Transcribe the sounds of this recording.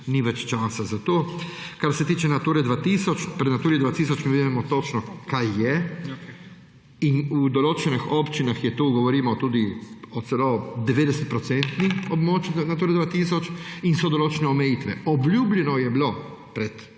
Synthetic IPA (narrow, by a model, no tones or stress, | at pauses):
niʋɛt͡ʃt͡ʃaːsazat̪oː | kaɾsɛt̪iːt͡ʃɛnat̪uːɾɛd̪ʋat̪isɔt͡ʃpɾɛd̪nat̪uːɾid̪ʋat̪iːsɔt͡ʃmiʋid̪imɔt̪ot͡ʃnɔkajːɛ | inud̪ɔloːt͡ʃɛnixopt͡ʃinaxjɛt̪uːɡɔʋɔɾiːmɔt̪uːd̪iɔt̪sɛlod̪ɛʋeːd̪ɛsɛt̪̚pɾɔt̪sɛnt̪niɔbmot͡ʃinat̪uːɾɛd̪ʋat̪iːsɔt͡ʃinsɔd̪ɔloːt͡ʃɛnɛɔmɛjiːt̪ʋɛɔblʲuːblʲɛnɔjɛblo | pɾɛt̪